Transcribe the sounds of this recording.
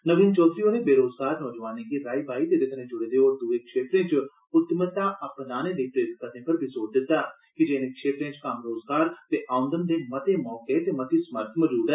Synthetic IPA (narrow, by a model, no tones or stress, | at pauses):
nəʋiːnt͡ʃɔːsiːoːnẽːbeːɾoːzɡaːɾnɔːd͡ʒʋaːnẽːkiːɾaːiːbaːiːt̪eːd̪ɪk̪ʰnẽːd͡ʒʊɽeːd̪eːoːɾd̪uːeːkʃeːt̪ɾẽːt͡ʃ | ʊt̪ːmət̪aːʔəpnaːnẽːleiːʈ̪ɾet̪kət̪ẽːpəɾbʱizoːʈd̪ɪt̪ːaː | kɪd͡ʒeːnẽːkʃeːt̪ɾẽːt͡ʃkəmɾoːzɡaːɾt̪eːʔaːʊ̃nd̪ənd̪eːmət̪eːmɔːkeːt̪eːmət̪iːsməɾt̪ʰmɔːd͡ʒuːd̪ɛː